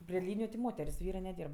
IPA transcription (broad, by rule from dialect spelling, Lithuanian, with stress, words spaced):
pʲrʲɪ ˈlʲiːnʲɪjʊ tʲɪ ˈmoːtʲɛrʲsʲ ˈʋʲiːrɜ nʲɛˈdʲiːrp